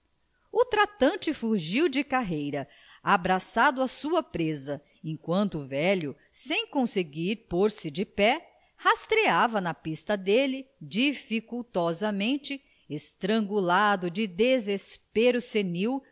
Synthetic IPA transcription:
ut̪ɾat̪ɐ̃nt͡ʃɪfuʒiwd͡ʒɪkaɦejɾɐ | abɾasad̪ʊɐsuɐpɾezɐ | ẽkwɐ̃nt̪ʊvɛlʊ | sẽj̃kõseɡiɾpoɾsɪd͡ʒɪpɛ | hast̪ɾiavɐnɐpist̪ɐd̪elɪd͡ʒifikuwt̪ɔzɐmẽnt͡ʃɪ | est̪ɾɐ̃ŋɡulad̪ʊd͡ʒɪd̪ezespeɾʊseniw

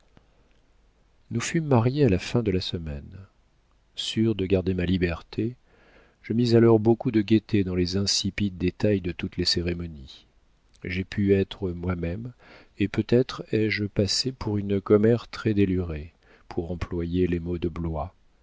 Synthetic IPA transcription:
nufymːaʁjealafɛ̃d̪əlasəmɛn | syʁd̪əɡaʁd̪emalibɛʁt̪ʰe | ʒ̥əmizalɔʁbokud̪əɡʲet̪ed̪ɑ̃lezɛ̃sipid̪̚ːet̪ajd̪ət̪ut̪leseʁemɔni | ʒepʰyɛt̪χəmwamɛm | epøt̪ɛt̪χɛʒpasepuʁynkɔmɛʁt̪χɛd̪elyʁe | pʰuʁɑ̃plwajelemod̪əblwa

